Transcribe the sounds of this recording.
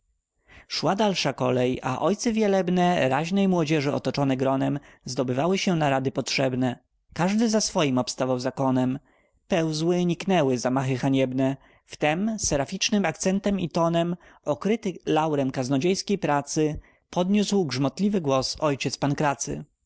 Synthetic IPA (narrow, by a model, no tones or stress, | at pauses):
ʂwad̪alʂakɔlɛja̰ʔɔjt̪sɛvʲjalɛbnɛɾaʑnɛjmwɔd͡ʑɛʐɘɔ̰t̪ɔt͡ʂɔnɛɡɾɔnɛmzd̪ɔbɘvawɘɕɛnaɾad̪ɘpɔtʂɛbnɛ | kaʐd̪ɘzasfɔjimɔpst̪avawzakɔnɛm | pɛwzwɘɲiknɛwɘzamaxɘxaɲɛbnɛ | ft̪ɛmsɛɾafʲit͡ʂnɘmak̚t̪sɛnt̪ɛmit̪ɔnɛm | ɔkɾɘt̪ɘlawɾɛmkaznɔd͡ʑejskʲejpɾat̪sɘ | pɔd̪ɲuswɡʐmɔt̪lʲivɘɡwɔsɔjt͡ɕɛt̪spankɾat̪sɘ̰